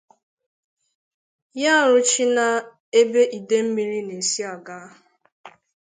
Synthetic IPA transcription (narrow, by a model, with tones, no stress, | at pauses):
ja˦˨ɾʊ˦t͡ʃi˦na˨ | e˦be˦ʔi˨de˦m̩˦mi˨ɾi˦ne˨si˦a˨ɡa˦